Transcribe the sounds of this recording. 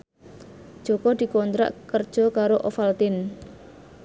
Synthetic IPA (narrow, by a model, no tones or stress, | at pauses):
d̥ʒ̥okɔd̪̥i̤kɔnt̪ɾa̰ʔkərd̥ʒ̥ɔ̤kaɾoʔɔfalt̪ɪn